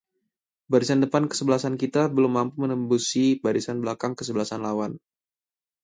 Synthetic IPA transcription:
baɾisandəpankə̥səbəlasankit̪abəlʊmːampumənəmbusibaɾisanbəlakaŋkəsəbəlasanlawan

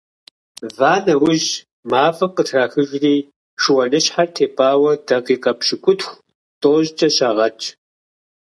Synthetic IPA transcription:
vaːnɐwʊʑ | maːfɐqətʰraːxɨʒriː | ʂɨwɐnɨɕħartʰeːpʼaːwɐdɐqiːqʼɐpʃɪkʷʼʊtxʷ | tʼoːʑt͡ʃʼɐɕaʁɐt͡ʃʼ

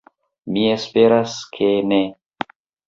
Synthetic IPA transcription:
mie̞speɾaskʰe̞ne

